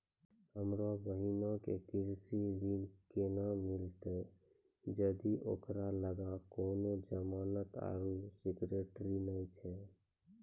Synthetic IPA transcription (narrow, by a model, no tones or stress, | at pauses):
həmɾobəɦinokekiɾsizilkenamilt̪e | d͡ʒəd̪iʔo̰ːkɾaləɡakoːnod͡ʒəmaːnət̪a̰ɾusikɾeʈɾinəjt͡ʃʰɛ